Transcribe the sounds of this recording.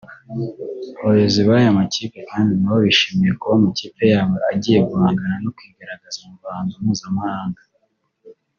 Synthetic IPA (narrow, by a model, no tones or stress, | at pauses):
βojeziβajamaciːpe̞kaːndinawoβiʃimijekuwomuciːpe̞jaːweaɟiːje̞ɡuhaːŋɡanano̞kwiːɡaɾaɡazumuvaːnzumuːzamahaːŋɡa